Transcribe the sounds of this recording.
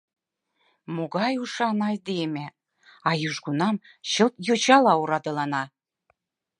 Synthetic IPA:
moɣɑjuʃɑnɑjd̪eme | ɑjyʒɡunɑm | ɕə̆lp̪jot͡ɕɑlɑuɾɑd̪ɤ̆lɑnɑ

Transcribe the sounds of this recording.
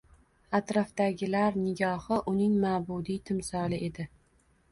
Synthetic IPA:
at̪ɾɒfd̪aɡʲɪlaɾnɪɡʲɒhɪʔʊnɪŋmaːbud̪it̪ʰɪmsɒlˠɪʔe̞d̪ɪ

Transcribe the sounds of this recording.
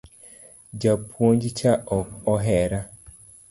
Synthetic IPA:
d͡ʒapwond͡ʒit͡ʃaɔɔɦɛɾa

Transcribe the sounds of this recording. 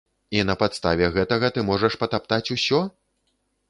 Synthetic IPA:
in̪ɐpat̪st̪a̰vʲɛɣɛt̪ɐɣɐt̪ɨmɔʐɐʂpɐt̪apt̪at͡sʲusʲɔ

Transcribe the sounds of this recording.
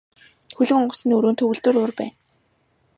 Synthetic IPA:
xɵɮɘ̆ŋɔɢɞ̆s̆niɵɾoːnt̪ʰɵɣɘ̆ɮt̪ɵ̆ːɾʊrpæːn

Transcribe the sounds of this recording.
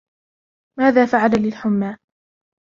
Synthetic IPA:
maːðaːfaʕalalɪlħʊmːaː

